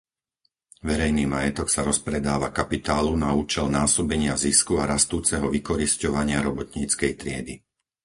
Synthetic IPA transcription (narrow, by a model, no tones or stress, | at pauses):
ʋɛɾɛjniːmajɛt̪ɔksaɾɔspɾɛd̪aːʋakapit̪aːlunauːt͡ʃɛlnaːsɔbɛɲɪaziskuaɾast̪uːt͡sɛɦɔʋikɔɾiscɔʋaɲɪaɾɔbɔt̪ɲiːt͡skɛjt̪ɾɪɛd̪i